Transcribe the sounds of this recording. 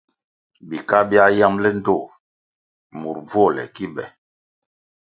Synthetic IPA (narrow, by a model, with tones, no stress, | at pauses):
bi˨ka˦bi˦a˦ja˦mlɛ˦n˦do˦˨ | mu˨ɾb͡vo˦˨lɛ̰˨ki˦bɛ˨